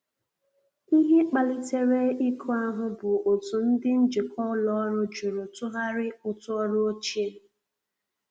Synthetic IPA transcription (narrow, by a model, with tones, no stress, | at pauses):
i˦ɦi˦k͡pa˨lɪ˦te˦ɾe˦i˦kʰo˦a˦ɦʊ˦bʊ˨o˨tu˨n̩˦dɪ˦n̩˦d͡ʒi˨kʰɔ˦lɔ˦ɾʊ˦d͡ʒu˨ɾʊ˨tʊ˦ɦa˦ɾɪ˦ʊ˨tʊ˦ɔ˦ɾo˦o˦t͡ʃe˦